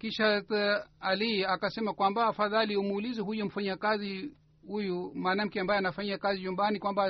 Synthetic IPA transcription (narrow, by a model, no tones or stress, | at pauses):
kiʃataliakasɛmakwambaːfaðaliumuːlizɛɦujum̩faɲakazi | hujumaːnam̩kɛambajɛanafaɲiakaziɲumbanikwamba